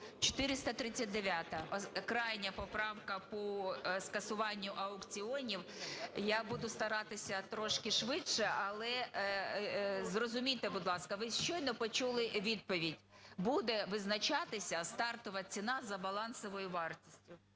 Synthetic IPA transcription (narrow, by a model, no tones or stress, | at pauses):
t͡ʃɔ̥t̪ɪɾɪst̪ɐt̪ɾɪt͡sʲːɐt̚ʲd̪eʋʲjat̪ɐɔkɾɑjnʲɐpɔpɾɑwkɐpɔskɐsʊʋɑnʲːʊʔɐʊkt͡sʲiɔnʲiwjabud̪ʊst̪ɐɾɑt̪ɪsʲɐt̪ɾɔʃkɪʃʋɪtʃɛʔɐlˠɛ | zrɔzʊmʲit̪ebʊd̪lˠɑskɐʋɪʃt͡ʃɔjnɔpɔt͡ʃulˠɪʋʲid̪̚pɔʋʲidʲbud̪ɛʋɪznɐt͡ʃɑt̪ɪsʲɐst̪ɑrt̪ɔʋɐt͡sʲinɑzɐbɐlˠɑnsɔʋɔjʊʋɑrtʲi̥sʲtʲʊ